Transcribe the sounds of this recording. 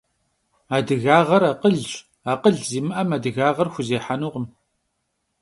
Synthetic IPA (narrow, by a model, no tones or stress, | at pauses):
aːdɨɣaːʁɐɾaːqəɮɕʼ | aːqəɮziːmɨʔɐmadɨɣaːʁɐrxʷʊzeːħanuːʁəm